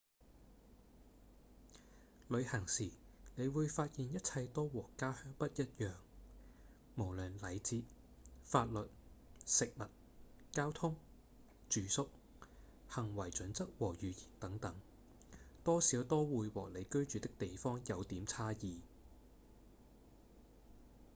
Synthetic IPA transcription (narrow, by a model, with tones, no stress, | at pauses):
lɵ˨˧ɥhɐ˨˩ŋsiː˨˩ne˨˧jwuː˨˧jfaː˧t̚jiː˨njɐ˥t̚t͡sʰɐ˧jt̪ɔː˥wɔː˨˩kːaː˥hœː˥ŋpɐ˥t̚jɐ˥t̚jœː˨ŋ | mo˨˩wlɵ˨˩nlɐ˨˧jt͡siː˧t̚ | faː˧t̚lɵ˨t̚sɪ˨k̚mɐ˨t̚ | kaː˥wt̪ʰʊ˥ŋ | t͡ʃyː˨˩sʊ˥k̚ | hɐ˨˩ŋwɐ˨˩jt͡ʃɵ˨˥nt͡sɐ˥k̚wɔː˨˩jyː˨jiː˨˩nt̪ɐ˨˥ŋt̪ɐ˨˥ŋ | t̪ɔː˥siː˨˥wt̪ɔː˥wuː˨˧jwɔː˨k̚le˨˧jkɵ˥ɥt͡ʃyː˨t̪ɪ˥k̚t̪e˨jfɔː˥ŋjɐ˨˧wt̪iː˨˥mt͡sʰaː˥jiː˨˧